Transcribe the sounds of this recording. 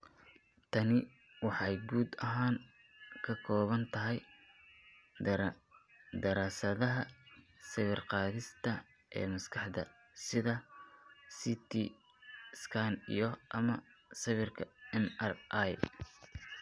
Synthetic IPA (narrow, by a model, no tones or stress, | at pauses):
t̪ʰɐnɪ | wɑħɑjɡuːd̪ɐɦaːŋ | kʰɐkʰɔːβɐnt̪ʰɐɦɛj | d̪ɐɾaːsɐðɐɦɐ | sɐβɪrqɑːðɪst̪ʰɐ | ʔɛ̰ːmɐskʰɑħd̪ɐ̰ | sɪðɐ | sit̪ʰi | skʰanḭjɔʔɐmɐsɐβɪrkʰɐɛnɐrʔaj